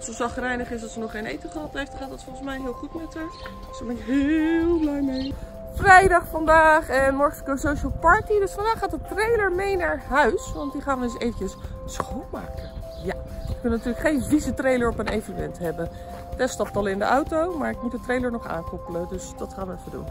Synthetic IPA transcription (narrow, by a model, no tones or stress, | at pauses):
sosɑχrɛjnəχɪsɑtsənɔχːejnḛjtəχrɑtɦejftdχaːtdɑtfɔlˠχəsmɛjɦɪːlˠχutmɛtəɹt | səmɛɦɪlˠblɛjmej | frɛjdɑχfɑndaːχɛnmɔɹχəskowsowʃəlˠpɑɹtidɵsfɑndaːχːaːdətrejləɹmejnaːɹɦœɥsʋɑntdiχaːnʋəəsejvəcəs | sχolˠma̰ːkə | jaəkɵnnatyːɹləkχejnvizətrejləɹɔpənejvənəmɛntɦɛbən | tɛstɑp̚tɑlˠɪndə̰ʔɑwtowmaːɹɪk̚mudətrejləɹnɔχa̰ːŋkɔpələdɵsd̥ɑtχaːnʋəɛfədṵn